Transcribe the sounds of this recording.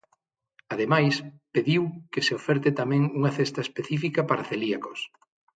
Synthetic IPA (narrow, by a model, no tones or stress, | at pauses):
aðemajspeðiwkeseofɛɾt̪et̪amɛ̃ŋuŋɐθest̪aespeθifikɐpaɾaθeliakos